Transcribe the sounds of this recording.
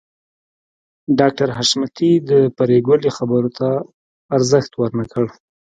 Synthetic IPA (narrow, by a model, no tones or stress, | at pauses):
ɖɑk̚ʈaɾɦaʃmat̪id̪əpaɾeɡəlixabəɾot̪ʰaː | ɾzəxt̪waɾnakəɽ